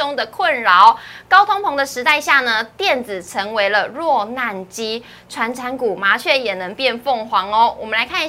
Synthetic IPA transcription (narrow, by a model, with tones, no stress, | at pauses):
ʊ˥ŋd̪ə˨kʰwə˥˩nɻɑ˧˦ʊkɑ˥ʊt̪ʰʊ˥ŋpʰo˧˥ŋd̪ə˨ʂɻ̩˧˥t̪a˥˧ɪɕja˥˩nə˩t̪jɛ˥˨nd͡z̩˨˩ʈ͡ʂʰə˧˦˥ŋwe˧˥ɪlə˧ɻwɔ˥˧na˥˩nt͡ɕi˦ | ʈ͡ʂʰwa˧˥nʈ͡ʂʰa˧˥nku˨˩ma˨˥t͡ɕʰɥɛ˥˩jɛ˨˩nə˧˥ŋpjɛ˥˧nfo˥˩ŋxwɑ˨˧˥ŋɔ˦wɔ˨˩mə˨nla˧˦ɪkʰa˥˧ni˥